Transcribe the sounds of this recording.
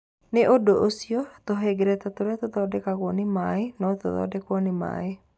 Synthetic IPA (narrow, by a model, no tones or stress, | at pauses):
neʔodoʔosiɔt̪oɦɛɡeɾɛtatoɾɛt̪oðɔːdɛkaɣwɔnemaenɔto̰ðɔ̰dɛkwɔnema̰e